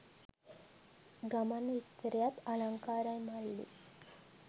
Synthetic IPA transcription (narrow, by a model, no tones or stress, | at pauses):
ɡamanist̪əɾejat̪alaŋkaːɾajmalːḭ